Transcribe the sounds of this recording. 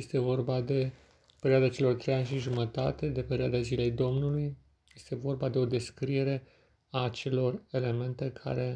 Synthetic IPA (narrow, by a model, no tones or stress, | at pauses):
jest̪e̞vo̞rbad̪e̞ | pe̞ɾioad̪at͡ʃe̞lo̞rt̪ɾe̞janʲʃiʒumət̪a̰t̪e̞d̪e̞pe̞ɾioad̪azile̞jd̪o̞mnuluj | je̞st̪e̞vo̞rbad̪e̞o̞d̪e̞skɾije̞ɾe̞ | aːt͡ʃe̞lo̞re̞le̞me̞nt̪e̞kʰa̰ɾe̞